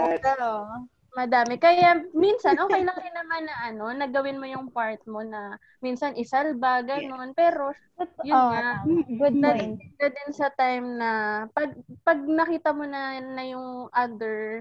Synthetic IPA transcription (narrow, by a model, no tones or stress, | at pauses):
ɡaʔo | mɐd̪aːmɛkɐjaminsɐnʔoːkkɐjlɐŋɐjnɐmanːɐʔɐno̞nɐɡɐwɪnmo̞jʊŋpaɹt̪̚mo̞nɐ | minsɐnʔɪsɐlbɐɡɐno̞npɛːɾo̞ | jʊaɡʊd̪ɐt̪ɪŋd̪ɐd̪ɪnsɐt̪ajmnɐpɐɡ̚pɐɡ̚nɐkiːt̪ɐmonɐnɐjʊŋʔad̪ɛɹ